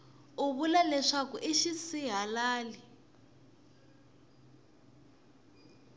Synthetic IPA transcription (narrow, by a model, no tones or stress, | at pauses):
uβulalɛʂakuʔiʃisiɦalaːli